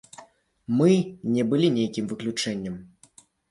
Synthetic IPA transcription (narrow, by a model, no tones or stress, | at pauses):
mɨnʲɛbɨlʲinʲejkʲimvɨklʲut͡ʂɛnʲːɐm